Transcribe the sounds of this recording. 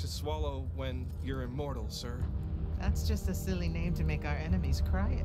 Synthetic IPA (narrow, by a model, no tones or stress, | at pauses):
tʰɨswɑlˠoʊwɨ̃n | jə˞ɪmɔɹɾl̩ˠsɜ˞ðætsd̥ʒ̥ʌstɨsɪlˠinẽɪ̃mtʰɨmeɪkaʊə˞ɛñɨmiz̥kʰɹ̥aɪ